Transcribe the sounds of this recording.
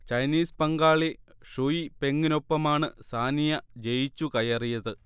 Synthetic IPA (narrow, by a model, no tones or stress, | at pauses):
t͡ɕɐjniːspɐŋɡaːɭi | ʂujipe̞ŋɡino̞pːɐmaːɳɨsaːnijɐd͡ʑe̞jit͡ɕːukɐjɐrijɐðɨ